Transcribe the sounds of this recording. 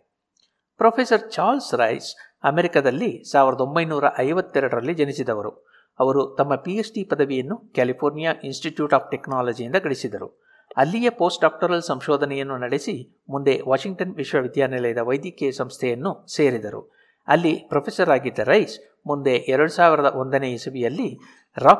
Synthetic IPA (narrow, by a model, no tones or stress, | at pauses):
pɾoːpʰesɐɾt͡ʃaːlsɾɐjs | ɐmeɾikad̪ɐlːisaːʋiɾɐd̪o̞mbɐjnuːɾɐʔɐjʋɐt̪ːɛɾɐɽɐɾɐlːid͡ʒɐnisid̪ɐʋɐɾṵ | ɐʋɐɾut̪ɐmːɐpiesʈipɐd̪ɐʋijɐnːukjaːlipʰoːɾnijaʔinsʈiʈjuːʈaːp̚ʰʈeknaːlɐd͡ʒijind̪ɐɡɐɭisid̪ɐɾṵ | ɐlːijɐpo̞ːsʈɖaːk̚ʈɐɾɐlsɐmʃɔːd̪ʱɐnɛjɐnːunɐɽesi | mund̪e̞ʋaːʃiŋɡ̚ʈɐnʋiʂʋɐʋid̪ʱjaːnɛlɐjɐd̪ɐʋɐjd̪jɐkeːɐsɐmst̪ʰɛjɐnːuse̞ːɾid̪ɐɾṵ | ɐlːipɾɐpʰesɐɾaːɡid̪ːɐɾɐjs | mund̪e̞ʔɛɾɐɽusaːʋiɾɐd̪ɐʔond̪ɐneːisɐʋijɐlːi | ɾaː